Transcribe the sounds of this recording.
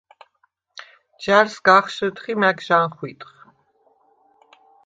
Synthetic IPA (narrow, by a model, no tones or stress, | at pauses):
d͡ʒæɾsɡaχʃət̪χimækʒanχwit̪ʼχ